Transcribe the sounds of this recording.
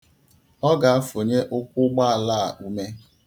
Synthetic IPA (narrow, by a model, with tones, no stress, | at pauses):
ɔ˦ɡa˨a˦fo˨ɲe˦ʔʊ˦kʷʊ˦ɡ͡ba˦a˨la˦˨a̰˨ʔu˦me˦